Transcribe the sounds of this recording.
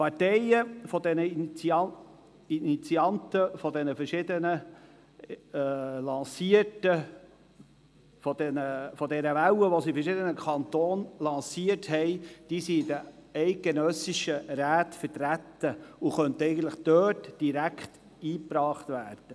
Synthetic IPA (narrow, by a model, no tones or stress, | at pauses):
pɑɾtɛɪəfɔd̪ɛnə | init͡siɑnt̪əfɔdɛnəfəɾʃɪd̪ənə | lɑsiətə | fɔd̥ɛnəfɔdɛɾəʋæwəʋosifɛɾʃɪdənəkʰɑnt̪oːnlɑ̃ːsiəthɛɪd̥iːsiɪdə | ɛɪk̚ɡ̥enœsɪʃəɾæːt̪fəɾtɾæt̪ːəʊχœntəɛɪɡən̩t̪ləχd̥øːtd̥iɾækχt | iːpɾɑːχt̪væːrd̥ə